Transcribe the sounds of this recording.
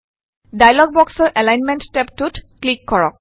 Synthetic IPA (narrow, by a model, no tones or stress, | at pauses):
dajlɔɡ̚bɔksɔɹʔɛlajnmɛnttɛp̚tutklikːɔɹɔk̚